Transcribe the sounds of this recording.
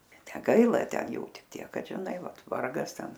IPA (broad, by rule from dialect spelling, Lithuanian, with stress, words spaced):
nʲɛˈɡɐɪlˠɐ ˈtʲɛn ˈjuː ˈtʲɪk ˈtʲiɛk ˈkɐt ʒʲɪˈnɐɪ ˈʋɐt ˈʋɐrɡɐs ˈtʲɛn